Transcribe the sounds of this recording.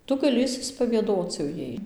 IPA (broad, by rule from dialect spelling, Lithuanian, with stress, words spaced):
ˈtʊ ɡɐˈlʲɪ ɪʃʲsʲɪspɐʋʲiɛˈdoːt͡s jɛʊ ˈjɛɪ